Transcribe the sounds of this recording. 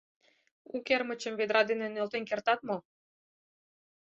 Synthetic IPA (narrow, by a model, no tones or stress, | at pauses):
ukermət͡ɕəmβed̪ɾɑd̪enenølt̪enkert̪ɑt̪mo